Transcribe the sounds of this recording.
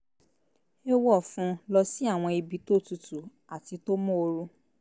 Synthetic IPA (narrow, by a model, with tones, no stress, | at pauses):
e˦wɔ˦˨fũ˧˦lɔ˧si˦a˦˨w̃ɔ̃˧i˧bi˧to˦˨tu˧tu˨ | a˨ti˧to˦mɔ̃˦o˧ɾu˧